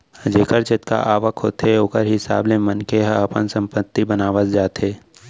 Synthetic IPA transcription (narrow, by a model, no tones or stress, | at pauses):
d͡ʒeːkəɾt͡ʃɪt̪ka̰ʔaːʋəkɦoːt̪eoːkəɾɦɪsa̰ːblemənkeɦəpə̰nsə̃mpət̪ːibənaːʋət̪d͡ʒaːt̪eː